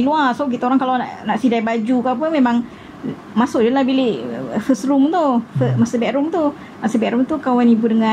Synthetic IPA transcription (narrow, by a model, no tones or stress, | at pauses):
iluasok̬it̪aoɾaŋkalawna̰ʔnaʔsidabad͡ʒukap̬əmemaŋ | masʊʔd͡ʒalahbilɪʔfəsɾumt̪ufəmasəbɛʔɾumt̪u | masəbɛʔɾumt̪ukawanibudəŋa